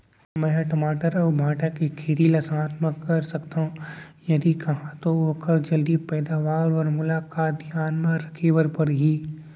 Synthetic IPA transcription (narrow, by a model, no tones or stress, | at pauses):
mɛ̃ʈɐmaːʈəɾɔːbʱãːʈakikʰeɾilɐsaːt̪məkkɐɾsɐkt̪aɦũjɐd̪ikɐɦãt̪ooːkəɾd͡ʒɐld̪ipɛːd̪aʋaːɾɔɾmʊlaːkaːt̪̚d̪ʱjaːnmãɾɐkʰiʋəɾpɐɽɦiː